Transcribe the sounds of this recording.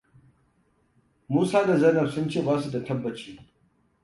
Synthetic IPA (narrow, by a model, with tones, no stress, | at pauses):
muː˦saː˦da˨zɐ˦nɐ˨sʊ˦nt͡ʃeː˦˨baː˦su˨da˨tɐ˦bːɐ˨t͡ʃiː˦